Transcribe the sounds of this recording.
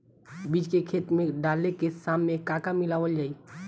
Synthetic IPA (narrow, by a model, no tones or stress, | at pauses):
biːd͡ʒkekʰeːt̪mẽɖaːlnekesaːmːẽkaːkamɪlaːʋəld͡ʒaːi